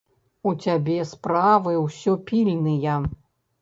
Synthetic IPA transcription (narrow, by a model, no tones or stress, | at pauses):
ut͡sʲabʲɛspɾavɨwsʲɔpʲilʲnɨjɐ